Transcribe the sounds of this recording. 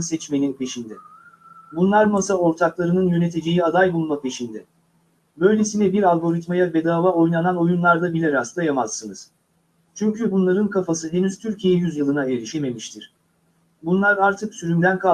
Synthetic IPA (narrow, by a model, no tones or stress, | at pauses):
nsɛt͡ʃme̞ninpʰe̞ʃind̪ɛ | bunlˠaɾmasao̞ɾt̪ʰaklˠaɾɯnɯnjøne̞t̪ʰed͡ʒejiad̪ajbulˠmapʰe̞ʃind̪ɛ | bø̞jlʲesinɛbiɾalʲˠɡo̞ɾit̪majabe̞d̪aːvao̞jnˠanano̞junlˠaɾd̪abilʲeɾast̪ʰˠajamaz̥ːɯnɯz̥ | t͡ʃʰyɲcʰybunlˠaɾɯnkʰafasɯd̪emiz̥t̪ʰyɾcʰijeɛjyzjɯlˠɯnaelʲiʃeme̞miʃt̪ʰiɾ̥ | bunlˠaɾaɾt̪ʰɯksyɾynd̪ænkʰa